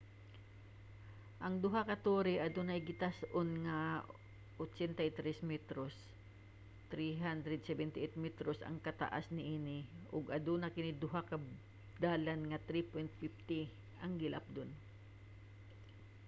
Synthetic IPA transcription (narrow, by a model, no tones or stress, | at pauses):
ʔɐŋd̪ʊɦakɐt̪oːɾɪʔɐd̪ʊnɐjɡɪt̪asʔonŋɐ | ʔot͡ʃɛnt̪ɐjt̪ɾɛsmɛt̪ɾos | t̪ɾiɦand̪ɾɛd̪̚sɛbɛnt̪ɪʔɛt̪̚mɛt̪ɾosɐ̰ŋkɐt̪a̰ʔa̰snɪʔiːnɪʔʊɡɐd̪ʊnɐkɪnɪd̪ʊɦakɐ | d̪aːlanŋɐt̪ɾipɛnt̪̚pɪft̪ɪ | ʔɐŋɡɪlʔap̚d̪on